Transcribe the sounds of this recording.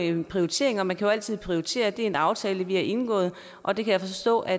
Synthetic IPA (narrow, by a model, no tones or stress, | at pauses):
pʰʁio̝it͡sʰe̝̰ɐe̝ŋɐmænkʰæjo̝æl̰t͡sʰið̞̰ˠpʰʁioit͡sʰe̝̰ːɐd̥e̝æɐe̝nɑ̈ʊt͡sʰɛːləʋihæʔe̝nɡ̥ɔ̰ːð̩ˠ | ʔɒ̽d̥e̝kʰæjafɒ̽ɒsd̥ɔ̰̽ːʔæ